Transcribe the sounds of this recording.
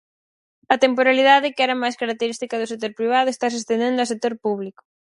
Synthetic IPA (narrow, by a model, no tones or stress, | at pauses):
ɐt̪empoɾaliðaðɪkɛɾɐmajskaɾak̚t̪eɾist̪ikɐðʊsek̚t̪oɾpɾiβ̞aðʊest̪as̬est̪end̪end̪ʊɐsek̚t̪oɾpuβ̞likʊ̥